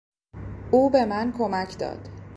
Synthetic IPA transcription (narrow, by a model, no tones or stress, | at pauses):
ʔuːbe̞mænkʰo̞mæcʰd̪ɒ̰ːd̪̥